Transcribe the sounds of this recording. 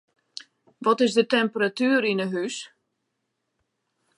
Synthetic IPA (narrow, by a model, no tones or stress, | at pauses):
ʋɔtɪzdətɛmpəratyːɾinəɦys